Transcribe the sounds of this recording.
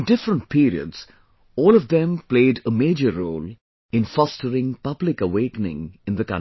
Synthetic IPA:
nɖɪfɾə̃nʈ̚pʰiːɾḭə̰dz̥ | ɔːlɔvd̪ɛ̃mpleɪɖəmeːd͡ʒəɾːoːl | ɪ̃nfɔstəɾɪ̃ŋpʌblɪkəweːknɪ̰̃ŋɪ̃nd̪əkʌ̰̃

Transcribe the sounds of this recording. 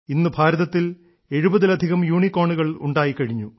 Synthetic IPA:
inːɨbʱaːɾɐðɐt̪ːil | e̞ɻubɐðilɐd̪ʱiɣɐmjuːɳikːo̞ːɳuɣɐɭṵɳɖaːjikːɐɻiɲːu

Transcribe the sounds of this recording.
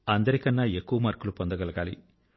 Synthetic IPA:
ɐnd̪ɐɾikɐnːaːe̞kːuʋɐmɐːɾkulupond̪ɐɡɐlɐɡaːlḭ

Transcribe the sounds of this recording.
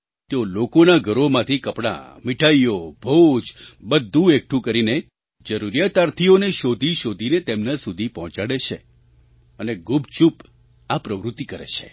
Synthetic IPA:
t̪eolokonaɡʱəɾomãt̪ʰikəpɽa̰miʈʰajobʱod͡ʒbəd̪ʱːũek̚ʈʰũkəɾine | d͡ʒəɾuɾjat̪aɾt̪ʰioneʃod̪ʱiʃod̪ʱinet̪emnãsud̪ʱipɔɦɔ̃t͡ʃaɽet͡ʃʰe | əneɡubʱt͡ʃup | apɾəʋɾut̪ːikəɾḛt͡ʃʰe

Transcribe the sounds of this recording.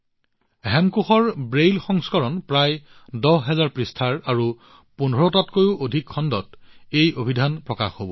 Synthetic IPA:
ɦɛmkuxɔɹbɹejlxɔŋskɔɹɔnpɹajdɔɦɛzaɹpɹistʰaɹaɹu | punɔɹɔtatkojʊʔodʱikʰːɔndɔtejobʱidʱanpɹɔkaxɦobɔ

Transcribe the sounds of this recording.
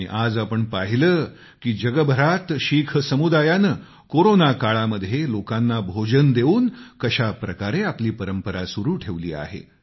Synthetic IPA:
ḭʔad͡zapəɳpaɦiləː | kiːd͡ʑəɡəbʱəɾat̪ɕikʰəsəmud̪ajanəː | koɾonakaɭaməd̪ʱːjelokanːabʱod͡ʑənd̪euːnkəɕapɾəkaɾeapliːpəɾəmpəɾasuɾuːʈʰeʋlḭːa̰ɦḛ

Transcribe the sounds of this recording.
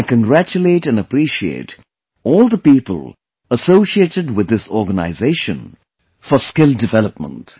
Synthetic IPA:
ɪkə̃nɡɾæt͡ʃuleːʈɛ̃nəpɾiʃiḛːt | ɔːlˠd̪əpiːpəl | əsoʊʃieːtɨɖwɪd̪ːɪsɔɾɡəna̰ɪzeɪʃə̰̃n | fɔskɪldɪvɛləp̚mə̰̃nt

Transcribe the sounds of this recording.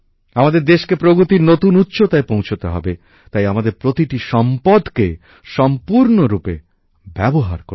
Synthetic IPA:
amad̪eɾd̪eʃkepɾoɡɾut̪iɾnot̪unutːʃot̪aepõw̃t͡ʃʰot̪eɦɔ̰be | t̪ajamad̪eɾpɾot̪iʈiʃɔmpɔd̪ke | ʃɔmpuɾnoɾupe | bɛboɦa̰ɾko

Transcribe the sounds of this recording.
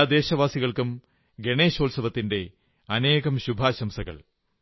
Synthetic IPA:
d̪e̞ːɕɐʋaːsiɣɐɭkum | ɡeɳe̞ːɕoːlsɐʋɐt̪ːinde̞ | ɐne̞ːɣɐmɕubʱaːɕɐmsɐɣɐ̰ɭ

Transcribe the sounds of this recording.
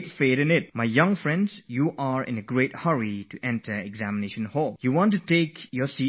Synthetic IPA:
tfeɾɛ̃nɪt̚majjʌ̃ŋfɹɛ̃ndsjuʔaɹɪ̰̃nəɡɹet̚həɹituʔɛ̃ntʰəɛɡzæmɪneʃə̃nhɔljuwɔ̃ntutekʰjɔsi

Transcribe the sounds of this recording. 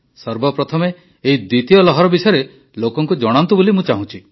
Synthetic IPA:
sɔɾbɔpɾɔt̪ʰɔmeː | id̪wit̪ijɔlɔɦɔɾɔbisɔjɾe | lokɔŋkud͡ʒɔɽ̃ant̪ubolimũt͡ʃaɦũt͡ʃʰi

